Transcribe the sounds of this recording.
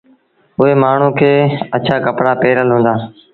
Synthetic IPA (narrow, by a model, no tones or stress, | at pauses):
ʊɦeːmaːɳ̤ũːkʰeːət͡ʃʰaːkəpɽaːpeːɾəlɦũːnd̪aː